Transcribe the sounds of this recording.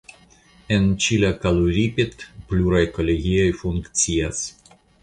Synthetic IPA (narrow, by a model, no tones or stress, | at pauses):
ent͡ʃilakaloɾʲipet̪pluɾajko̞lʲeɡio̞jfuŋktt͡sias